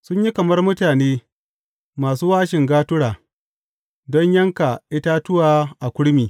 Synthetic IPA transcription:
sʊ˦ɲji˦kɐ˨mɐ˦rmʊ˦taː˨neː˦ | maː˨suː˦waː˦ʃɪ˨ŋɡaː˦tʊ˦ɽaː˨ | dɔ˦ɲjɐ˦ŋka˨ʔɪ˦taː˦tʊ˦waː˨ʔa˨kʷʊ˦ɽmiː˨

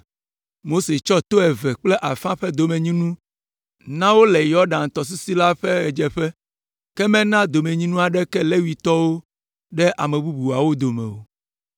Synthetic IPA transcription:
mo˦se˨t͡ʃɔ˦t̪o˦ɛ˨vɛ˨k͡plɛ˦ʔa˨fã˦ɸɛ˦d̪o˨mẽ˨ɲĩ˦nũ˦ | nã˦wo˦lɛ˨jɔ˦ɖã˨n˨t̪ɔ˨s̬u˦si˦la˦ɸɛ˦ɣɛ˨d͡ʒɛ˨ɸɛ˦ | kɛ˦mɛ̃˦nã˦d̪o˨mẽ˨ɲĩ˦nũ˦a˨ɖɛ˦kɛ˦lɛ˦wi˨t̪ɔ˦wo˦ | ɖɛ˦ʔa˨mɛ˨bu˦bu˨a˨wo˦d̪o˨mɛ̰̃˨wo̰˨

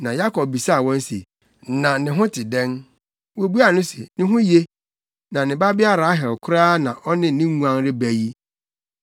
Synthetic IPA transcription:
nã˨ja˦kʰɔ˨p̚bi˨sa˦˨wɔ̃˦n˦sḛ˨ | nã˨nɪ̃˨ɦʊ̃˦tʰɪ˨dɛ̃˦n | wo˨bu˦a˨nʊ̃˦sḛ˨nɪ̃˦ɦʊ̃˦je˦ | nã˨nɪ̃˨ba˦bɪ˦a˦ɾa˨a˦ɦɪ˨lkʰʊ˦ɾaː˦nã˨ʔɔ˦nɪ̃˦nɪ̃˦ŋũ˦ã˦ŋɾɪ˦bæ˨ji˦

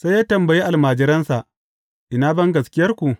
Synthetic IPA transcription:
sa˦jjaː˦tɐ˨mbɐ˨ji˦ʔa˨lmaː˨d͡ʒɪ˦ɾɐ˦nsa˨ʔ | ʔɪ˨naː˦bɐ˦ŋɡɐ˨skʲɪ˦jɐ˦rkʷu˨ʔ

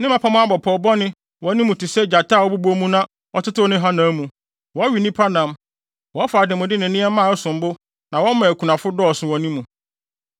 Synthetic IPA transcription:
nɪ̃˦mã˨pʰa˨mʊ̃˦a˦˨bɔ˨pʰɔ˨bɔ˦nɪ̃˦ | wɔ˨˦nĩ˦mũ˨tʰɪ˨sɛ˦˨d͡ʑa˨tʰa˦˨wɔ˦bu˦bo˦mũ˦nã˦ | ɔ˨tʰʊ˦tɪ˦nɪ̃˦ɦa˦nã˨˦mũ˨ | wɔ˨˦ɥi˨nĩ˦pʰa˦nã˨m | wɔ˨˦faː˨dɪ̃˨mʊ̃˨dɪ˦nɪ̃˨nɪ̃˦ɛ˦mã˦˨ʊ˦sʊ̃˨m̩˦bʊ˦ | nã˨wɔ̃˦m˦mã˨æ˨kʰu˨nã˨fʊ˦dɔː˦˨sʊ̃˨wɔ˨nĩ˦mũ˨

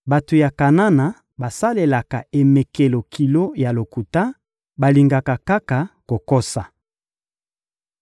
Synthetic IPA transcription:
ba˨to˨ja˨ka˨na˦na˨ | ba˨sa˦le˨la˨ka˨e˨mɛ˨ke˨lo˨kʰi˨lo˦ja˨lo˨ku˨ta˦ | ba˨li˨ŋɡa˨ka˨ka˦ka˨ko˨ko˦sa˨

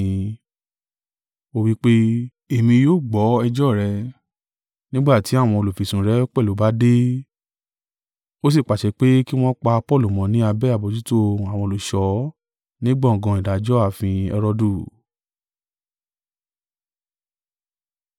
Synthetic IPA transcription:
o˦wi˦k͡pe˦ | e˨mĩ˧joː˦˨ɡ͡bɔ˨˦ɛ˧d͡ʒɔ˦˨ɾɛ˧ | nĩ˦ɡ͡ba˦˨ti˨˦a˦˨w̃ɔ̃˧o˧lo˨fi˨sũ˨ɾɛ˨˦k͡pɛ˦˨o˨˦ba˦de˦ | o˦s̬i˦˨k͡pa˨ʃɛ˨˧˦k͡pe˦ki˦w̃ɔ̃˦k͡pa˧pɔ˦˨lu˨mɔ̃˨˦nĩ˨˦a˧bɛ˦a˦˨bo˧d͡ʒu˦to˦a˨wɔ̃˧o˧lo˨ʃɔ˨˦ | nĩ˦ɡ͡bɔ̃˦˨ɡɔ̃˧˨i˨da˨d͡ʒɔ˦a˨fĩ˧ɛ˧ɾɔ˧du˦˨

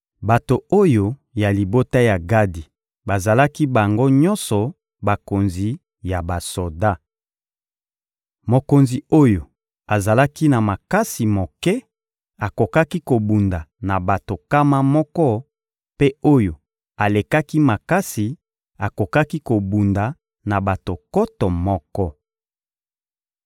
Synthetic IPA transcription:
ba˨to˨o˦jo˨ja˨li˨bo˦ta˦ja˨ɡa˦di˨ | ba˨za˨la˦ki˦ba˨ŋɡo˦ɲɔ̃˦nsɔ˨ | ba˨ko˨nzi˨ | ja˨ba˨so˨da˦ | mo˨ko˨nzi˨o˦jo˨ | a˨za˨la˦ki˦na˨ma˨ka˦si˨mo˨kɛ˦ | a˨ko˨ka˦ki˦ko˨bu˨nda˨na˨ba˨to˨ka˦ma˦mɔ˦kɔ˦ | pe˦o˦jo˨ | a˨le˨ka˦ki˦ma˨ka˦si˨ | a˨ko˨ka˦ki˦ko˨bu˨nda˨ | na˨ba˨to˨kɔ˦tɔ˨mɔ˦kɔ˦

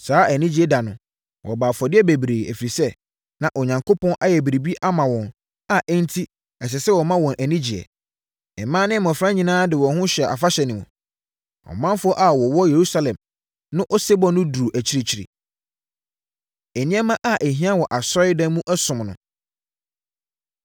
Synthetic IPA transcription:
saː˨˦æ˨nĩ˦d͡ʑi˦ɛ˦˨da˨nʊ̃˨ | wʔɔ̰˨baː˨fɔ˨dɪ˦ɛ˦bæ˨bɾeː˨æ̰˨fi˨ɾi˨sɛ˦ | nã˨ʔo˨ɲã˨ŋkʰo˦pʰɔ̃˦nʔa˦jɛ˨bi˨ɾi˨bi˦ʔa˦mã˨wɔ̃˨n | a˨ʔɛ˦n̩˦tʰi˦ | ɛ˨sɛ˨sɛ˦wɔ˨mã˦wɔ̃˨nʔæ˨nĩ˦d͡ʑi˨ɛ̰˨ | ɛ˨mã˦nɪ̃˦mʊ̃˨fɾã˦ɲĩ˨nãː˦dɪ˨wɔ̃˨ɦʊ̃˦ɕᶣɛ˨ʔa̰˨fa˦ɕɛ˨nɪ̃˨mũ˨ | ɔ̰˨mã˦m˦fʊ˦ɔ˦ʔa˨wɔ˨wɔ˦je˨ɾu˦sa˦lɛ̃˨m | nʊ̃˦ʔɔ˦se˦bɔ̃˦nʊ̃˦du˨u˨ʔæ˨t͡ɕʰi˦ɾi˦˨t͡ɕʰi˨ɾḭ˨ | e˨nĩ˦ɛ˦mã˦ʔa˨ʔe˨ɦĩ˦ã˦wɔ˨ʔa˨sɔ˦ɾɪ˦dã˦mũ˦ʔɛ˦sʊ̃˨mnʊ̃˨

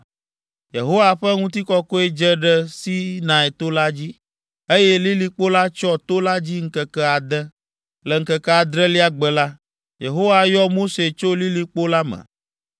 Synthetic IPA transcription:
je˨ɦo˦wa˨ɸɛ˦ŋũ˦t̪i˦kɔ˦ko˦e˦d͡ʒə˦ɖə˦si˦nã˨e˨t̪o˦la˦d͡ʑi˦ | e˦jɛ˦li˦li˦k͡po˦la˦t͡ʃɔ˦t̪o˦la˦d͡ʑi˦ŋ̩˦kə˨kɛ˦a˨d̪ə˦ | lə˨ŋ̩˦kə˨kɛ˦a˨d̪ɾɛ˦li˦a˦ɡ͡bə˨la˦ | je˨ɦo˦wa˨jɔ˦mo˦se˨t͡ʃo˦li˦li˨k͡po˦la˦mə̰̃˨

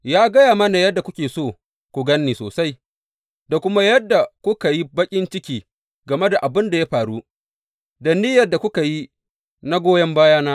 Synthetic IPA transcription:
jaː˦ɡɐ˦jaː˨mɐ˦na˨jɐ˦dːa˨kʷʊ˦kʲeː˨soː˦˨ | kʷʊ˨ɡɐ˦nːiː˨soː˨sa˦j | da˨kʷʊ˦ma˦jɐ˦dːa˨kʷʊ˦ka˨ji˦bɐ˦kʲʼɪ˦nt͡ʃɪ˦kʲiː˨ | ɡɐ˨me˦da˨ʔa˨bɪ˦nda˨ja˦ɸaː˨ɽu˦ | dɐ˨ni˦jɐ˨dːa˨kʷʊ˦ka˨ji˦ | na˦ɡʷoː˦jɐ˦mbaː˦jaː˦naː˦

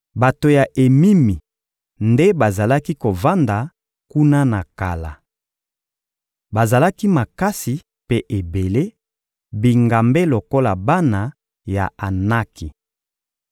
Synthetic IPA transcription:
ba˨to˨ja˨ʔe˨mi˦mi˨ | nde˦ba˨za˨la˦ki˦ko˨va˦nda˨ | ku˦na˦na˨ka̰˨la̰˨ | ba˨za˨la˦ki˦ma˨ka˦si˨ | pe˦ʔe˨be˨le˦ | bi˨ŋɡa˨mbe˦lo˨ko˦la˨ba˦na˨ | ja̰˨a˨na˦ki˨

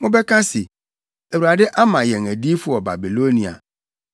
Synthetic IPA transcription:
mʊ̃˦bɛ˦kʰã˦sɪ˨ | æ˨wu˨ɾa˨dɪ˦ʔa˦mã˨jɛ˨ŋæ˨di˦fʊ˨ɔ˨ba̰˨bi˨lo˦nĩ˨a̰˨

